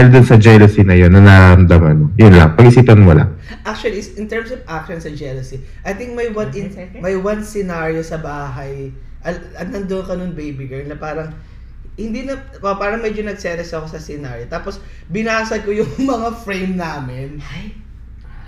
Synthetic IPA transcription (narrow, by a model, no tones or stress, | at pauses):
aɪld̪ʊnsɐd͡ʒɛlosinɐjonːɐnaːɾɐmd̪ɐma̰nojʊnlɐ̰ŋpɐɡɪsiːt̪ɐnmɐla̰ | ʔak̚t͡ʃʊwɐlisʔɪnt̪ɛɹmsovʔak̚ʃonsɐd͡ʒɛlɐsi | ʔɐjt̪ĩŋk̚mɐjwɐnɪmɐjwɐnsɛnaɹijosɐbaːɦɐj | ʔɐ | ɐnɐnd̪onkɐnoŋbejbɪɡɛlnɐpaːɾɐŋ | hɪnd̪inɐ | opaːɾɐŋmɛd͡ʒonɐɡ̚sɛɾɛsɐko̞sɐsɪnaːɹjot̪aːpos | bɪnaːsɐkojʊŋmɐŋafɹejmnaːmɪn